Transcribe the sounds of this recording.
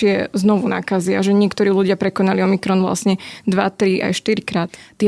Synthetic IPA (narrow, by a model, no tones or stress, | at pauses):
ɪɛznɔʋuna̰ːkaziaʒɛɲɪɛkt̪ɔɾiːluɟɪapɾɛkɔnaliɔmikɾɔnʋla̰sɲɛd̪ʋa̰t̪ɾia̰jʃt̪iɾikɾaːt̪ːɪɛ